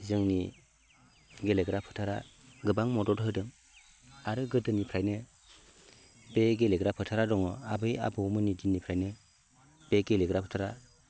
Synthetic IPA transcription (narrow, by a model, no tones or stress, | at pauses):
zɯŋni | ɡeleɡɾapʰɯ̥tʰaɾa̰ | ɡɯbaŋmɔdɔɾɦɯdɯŋ | aɾɯɡɯdɯnipʰɾajnɯ | beɡeleɡɾapʰɯtʰaɾadɔŋɯabɯja̰bɯmɯnid͡ʒinːipʰɾajnɯ | b̥eɡeleɡɾapʰɯ̥tʰaɾa